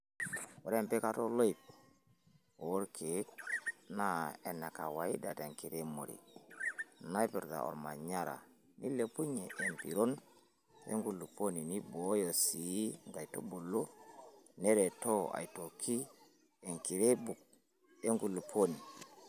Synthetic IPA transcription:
o˨ɾe˦mpe˦ka˦to˦lo˦i˨p̚ | o˨o˦ɾkʰe˨˦tna˦e˨na˨ka˨wa˨i˦da˨te˨ŋki˨ɾe˦mo̰˨ɾḭ˨ | na˦i˦pi˨ɾda̰˨ɔ̰˨ɾma˨ɲa˦ɾa̰˨ | ni˦le˨pu˦ɲe˨ʔːmpi˨ɾo˦n | ḛ˦ŋɡu˨lu˨po˦ni˨ni˦bo˨˦jo˨si˨˦ŋɡa˨i˨to̰˦bu˨lo˦ | ne˦ɾe˨to˦a̰˨i˨to˨kʰi˦ | e˨ŋki˨ɾe˦bu˨k̚ | e˦ŋɡu˨lu˨pʰo˦ni˨

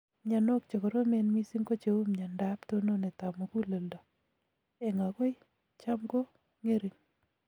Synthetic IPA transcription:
ɲa˨no˦k̚t͡ʃo˨kɔ˨ɾo˦me˦nmi˦si˦ŋko˦t͡ʃe˨wu˦mɲa˨nda˦pto˦no˦ne˨ta˨mo˨ku˦lo˨lda˨ | e˨ŋa˨ko˦ɪ˦ | t͡ʃa˦mɡo˦ | ŋe˦ɾi˨ŋ

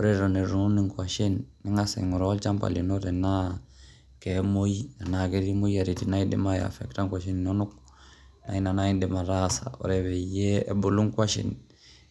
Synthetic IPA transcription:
ɔ˦ɾɛ˦ɾo˨ne˨ɾu˨˦ni˨ŋkwa˨ʃe˦nːɛ˦ŋa˦sɛ̰˨ŋu˨ɾɔ˦lt͡ʃa˦mpa̰˨lḭ˨no˦ɾɛ˨na˦ | kɛ˨mo˦i˦a˨na˨ke˦ɾi˦mo˦ja˨ɾi˨ti˨na˦i˦dḭ˦ma˦ja̰˨fɛ̰˨kta˦ŋkʷa˨ʃi˦nno˦nu˦k̚ | na̰˨i˦na˨na˦i˦dɛ˨ma˨ɾa˦sa̰˨ɔ̰˨ɾɛ˨βɛ˨je˦ɛ˨bo˨lu˦ŋka˦ʃḭ˨n

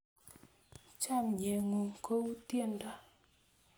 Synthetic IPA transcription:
t͡ʃa˦˨mɲe˨ŋu˨kʰo˦wtje˦nda˦

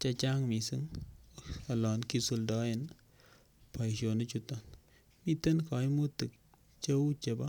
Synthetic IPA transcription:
t͡ʃa˦t͡ʃa˦ŋmi˨si˦ŋ | a˨lɔ˨nki˦su˨ldɔ˦ɪ˨n | pa˨jʃo˨nɪ˦t͡ʃutɔ˨n | mi˦te˦nka˨jmu˦tɨ˨k̚ | t͡ʃe˦wt͡ʃe˨ba˦

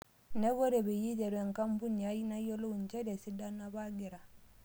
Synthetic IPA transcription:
nɛ˦ɣo˦ɾe˨βe˨ji˦d͡ʒɛ˨ɾɛ˨ŋ˨ka˦m˦bu˦ni˨a˦i˦na˦ɔ˦lo˦u˨ɲ˨t͡ʃɛ˦ɾe˨si˦da˦na˦βa˦ɡe˨ɾa˨

